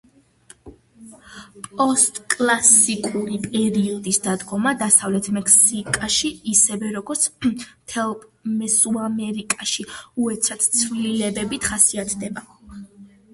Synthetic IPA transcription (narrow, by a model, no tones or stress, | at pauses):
pʼɔst̪ʼkʼlˠasikʼuɾipʼɛɾiɔd̪isd̪ad̪ɡɔmad̪asavlɛt̪ʰmɛksikʼaʃiisɛvɛɾɔɡɔɾt̪sʰmt̪ʰɛlˠmɛsuamɛɾikʼaʃiuɛt̪sʰat̪ʰt̪sʰvlilɛbɛbit̪ʰχasiat̪ʰd̪ɛba